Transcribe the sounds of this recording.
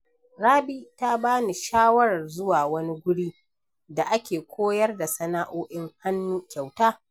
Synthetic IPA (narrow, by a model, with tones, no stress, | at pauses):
ɽaː˦biː˦ta˦baː˦ni˨ʃaː˦wɐ˦ɽɐ˨rzʊ˦waː˨wɐ˦ni˦ɡʷʊ˦ɽiː˦ | da˨ʔa˦kʲeː˨kʷoː˦jɐ˦rda˨sɐ˦na˦ʔoː˦ʔɪ˦ŋha˦nːuː˦kʲa˨wtaː˦